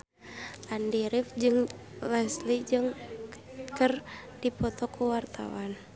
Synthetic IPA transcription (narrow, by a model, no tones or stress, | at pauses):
ʔandiɾifd͡ʒɨŋlɛslid͡ʒɨŋ | kərdipɔt̪ɔkuwart̪a̰wan